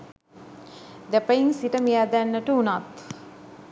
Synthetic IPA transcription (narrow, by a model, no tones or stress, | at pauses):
d̪æpəjiŋsiʈəmijad̪ænːəʈəunat̪